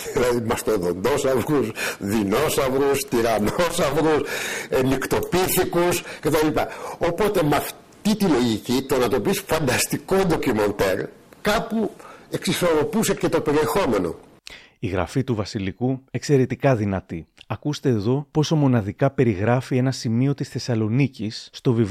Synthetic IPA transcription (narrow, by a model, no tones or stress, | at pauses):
ðilɐðimɐst̪oðo̞nd̪o̞sɐvɾusðino̞sɐvɾust̪iɾɐnosɐvɾusenikt̪o̞piθikuskɐt̪ɐlipɐopo̞t̪e̞mɐf | t̪it̪ilo̞ʝicit̪onɐt̪opisfɐnd̪ɐst̪ikond̪okimo̞nt̪eɾkɐpue̞ksiso̞ɾo̞puse̞cet̪o̞pe̞ɾie̞xo̞me̞no̞̰ | iɣɾɐ̰fit̪uvɐsilikue̞kse̞ɾe̞t̪ikɐðinɐt̪iɐkust̪e̞ːðo̞po̞so̞mo̞nɐðikɐpe̞ɾiɣɾɐfie̞nɐsimio̞t̪isθe̞sɐlo̞nicisːt̪o̞viv